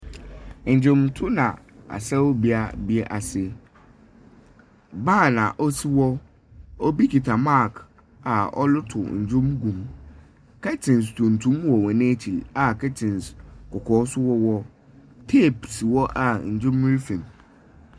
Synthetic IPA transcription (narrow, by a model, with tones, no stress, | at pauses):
ɲ̩˨d͡ʑᶣʊ̃˨mtʰʊ˦nã̰˨ | a̰˨sɛ˦wbi˦a˦bi˦ɛ˦ʔa˨sɪ˦ | baː˦˨nã˨ʔɔ˦si˦wɔ˦ | ɔ˦bi˦kʰi˨tʰa˨ma˦˨k | a˨ɔ̰˦lʊ˦tʰʊ̰˨d͡ʑʊ̃˦mɡũ˨m | kʰɛ˦tʰɪ̃˨n˨stʰũ˨n˨tʰũ˦mwɔ˨wɔ˨nẽ˦t͡ɕʰi˨a˨kɛ˦tʰɪ̃˨nskɔ˨kʰɔː˨˦sʊ˦wɔ˦wɔ˦ | tʰe˦˨psi˨wɔ˦ʔa˨ɲ̩˨d͡ʑʊ̃˦mː˦i˦fĩ˨m